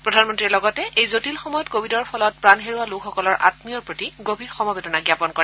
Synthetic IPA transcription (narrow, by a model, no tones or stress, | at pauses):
pɹɔdʱanmɔntɹiɛlɔɡɔtɛʔejzotilxɔmɔjɔtkobʱidɔɹpʰɔlɔt̚pɹanɦeɹualukʰxɔkɔlɔɹʔa̰tmiɔɹpɹotiɡobʱiɹxɔmɔbedɔnaɡjapɔnkɔɹɛ